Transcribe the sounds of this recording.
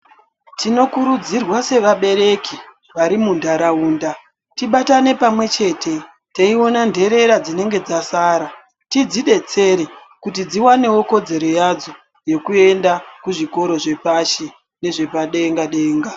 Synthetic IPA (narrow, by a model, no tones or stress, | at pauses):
tino̞kuɾud͡zirwase̞ʋaɓe̞ɾe̞ki | ʋaɾimundaɾauːnda | tiɓatane̞pamwe̞t͡ʃe̞ːtʰe̞ | teio̞nandʱe̞ɾe̞ɾad͡zine̞ŋɡe̞d͡zasaːɾa | tid͡ziɗe̞t͡se̞ɾe | kutid͡ziwane̞wo̞ko̞d͡ze̞ɾo̞jad͡zo̞ | je̞kue̞ndakuʐiko̞ɾo̞ʐe̞paʃi | ne̞ʐe̞paɗeŋɡaɗe̞ːŋɡa